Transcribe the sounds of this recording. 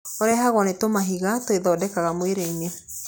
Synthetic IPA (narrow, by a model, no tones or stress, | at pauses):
oɾɛaɦaɣwɔnetomaɦiɣatoeðɔːdɛkaɣamweɾeine